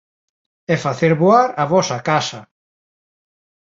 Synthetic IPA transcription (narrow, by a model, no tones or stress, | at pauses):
ɛfaθeɾβoaɾaβɔsakasa